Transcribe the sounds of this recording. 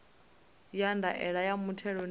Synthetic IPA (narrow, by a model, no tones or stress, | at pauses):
jandʱaʔɛɺajamutʰɛɺɔn